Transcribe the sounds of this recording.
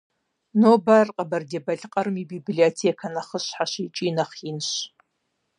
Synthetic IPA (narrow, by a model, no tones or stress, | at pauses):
noːbarqʼɐbɐrdebɐɮqʼɐrmiːbibliotʰeːkʰɐnɐχəɕħaʃit͡ʃʼiːnɐχinɕ